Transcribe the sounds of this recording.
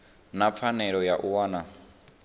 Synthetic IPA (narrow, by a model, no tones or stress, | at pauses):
nap̪fʰanɛɺɔjaʔuwaːna